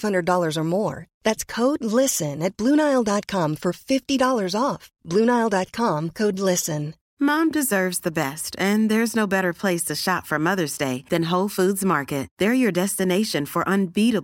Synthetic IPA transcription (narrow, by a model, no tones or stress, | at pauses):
hʌ̃ndɹə˞dɔlˠə˞zə˞mɔɹðætskʰoʊdˡlɪsɨ̃nɨt̚b̥lʉ̃ñaɪl̩ˠdɑt̚kʰɑ̃ɱfə˞fɪftidɔlˠə˞zɔfb̥lʉ̃ñaɪlˠdɑt̚kʰɑ̃mkʰoʊdˡlɪsɨ̃n | mɑ̃mdɨzɜ˞vzðɨbɛstɨ̃nðə˞znoʊbɛɾə˞pʰl̥eɪstʰɨʃɑtfə˞mʌðə˞zdeɪðɨ̃nɦoʊlˠfudzmɑɹkɨt̚ðə˞jə˞dɛstɨneɪʃɨ̃nfə˞ʔə̃nbiɾəb